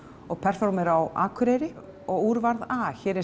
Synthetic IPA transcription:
ɔɣpʰɛr̥fɔɾmɛɾawa̰ːkʰʏɾejɾɪ | ɔɣuːɾvaɾðaːçɛːɾɛ

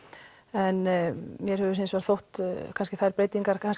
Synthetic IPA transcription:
ɛnmjɛɾhɛvʏsẽnsvɛɾθowht̪kʰanscɪθaɾpɾeːjt̪iŋkaɾkʰans

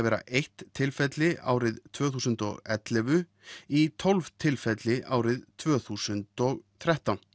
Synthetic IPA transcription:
vɛːɾa̰ʔejht̪ʰːɪlfɛt̪lɪa̰ːwɾɪðt̪ʰv̥œːθuːsʏnt̪ɔ̰ɣɛt̪lɛvʏ | it̪ʰɔlv̥t̪ʰɪlfɛt̪lɪʔaːwɾɪðt̪ʰvœːθuːsʏnt̪ɔɣt̪ʰɾɛht̪awn

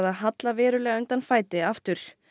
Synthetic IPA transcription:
ðaðɦat̪lavɛːɾʏlɛːɣaʏnt̪anfaːjt̪ɪaft̪ʏɾ̥

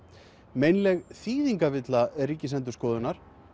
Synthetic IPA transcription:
mejnlɛɣθiːðiŋkavɪt̪laɛriːcɪsɛnt̪̬ʏɾskɔːðʏnaɾ̥

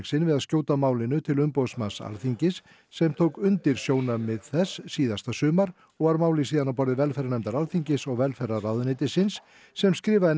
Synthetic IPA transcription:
sɪnvɪðaðscjoːwt̪amaːwlɪnʏt̪ʰɪlʏmpowsmansa̰lθiɲcɪsː | ɛmt̪ʰowkʏnt̪ɪɾ̥sjoːwnamɛðθɛsːiːðast̪asʏːmaɾ | ɔɣvaɾmaːwlɪsiːðanawpɔɾðɪvɛlfɛɾanɛmt̪aɾalθiɲcɪsɔɣvɛlfɛɾaraðʏnɪːt̪ɪsɪnsː | ɛmskɾɪːvaɪ

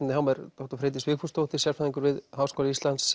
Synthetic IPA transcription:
nɪhɦawmɛɾt̪ɔht̪ɔɾ̥fɾeːt̪̬ɪsvɪːkfust̪owht̪ɪ̥sjaɾ̥faðiŋkʏɾvɪðɦaːwskoːlaist̪lant̪s

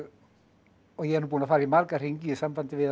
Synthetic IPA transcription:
ɔjɛnubuːnafaɾimarɡarɪŋɡisamvandive

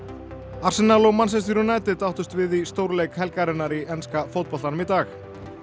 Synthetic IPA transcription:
ar̥sɪnːaloɣmansɛst̪iɾʏnaːjt̪ɪt̪awht̪ʏst̪vɪðist̪owɾlejkhɛlkaɾɪnːaɾiʔɛnskafowt̪̚pɔlt̪anʏmit̪aːx

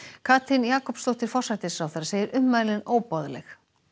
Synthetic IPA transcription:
kʰaːt̪ʰɪnjaːkɔpst̪owht̪ɪɾ̥fɔr̥sajt̪ɪsawθɛɾaseːjɪɾʔʏmmaðlɪnoːwpɔðlɛx

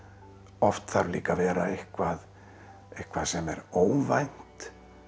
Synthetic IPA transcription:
ɔft̪θaɾlḭːkavɛːɾaehkvað | ehkvaðsɛmɛ̰ɾoːwvajn̥t̪

